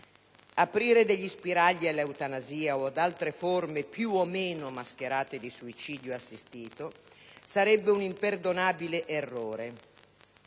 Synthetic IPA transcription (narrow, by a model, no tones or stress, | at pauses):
apɾiːɾed̪eʎːispiɾaʎːialeut̪anaziːaod̪alt̪ɾeformepjuomeːnomask̟eɾaːt̪ed̪isuit͡ʃiːd̪joasːist̪iːt̪o | saɾɛbːeunimperd̪onaːbileʔerːoːɾe